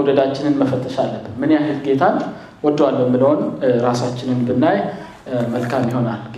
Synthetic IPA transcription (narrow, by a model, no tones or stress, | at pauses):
wd̪əd̪at͡ʃːɪnɨnməfət̪ʼːəʃalːəbːɨnmɨnjaɦɨlɡe̞t̪ʰan | wɔd̪ːwalːəmːɨləho̞nɾasat͡ʃːɪnɨnbɨnːaj | məlkʰamjiho̞nalɡ